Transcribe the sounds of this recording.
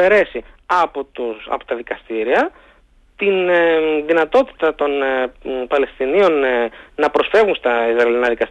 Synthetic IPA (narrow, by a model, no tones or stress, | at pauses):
e̞ɾe̞siɐpot̪usɐ̰po̥t̪ɐðikɐst̪iɾiɐ | t̪inðinɐt̪o̞t̪i̥t̪ɐt̪o̞npɐle̞st̪inio̞nnɐpɾo̞sfe̞vɣunst̪ɐizɾɐelinɐðikɐst̪